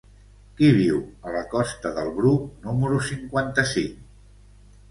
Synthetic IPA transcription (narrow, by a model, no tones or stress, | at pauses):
kiβ̞iwələkɔst̪əðəlˠβɾuknuməɾusiŋkwant̪əsiŋ